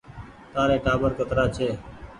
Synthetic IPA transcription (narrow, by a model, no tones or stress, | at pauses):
t̪ãːɾẽːʈaːbəɾkət̪ɾaːt͡ʃʰeː